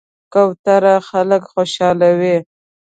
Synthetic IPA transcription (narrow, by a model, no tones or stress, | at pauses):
kawt̪aɾaxaləkxoʃɑlawi